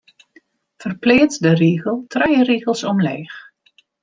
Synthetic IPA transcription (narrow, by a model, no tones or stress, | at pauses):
fərplɪːtdəriːɣəlˠtʰrɛjəriːɣəlˠsɔmleːx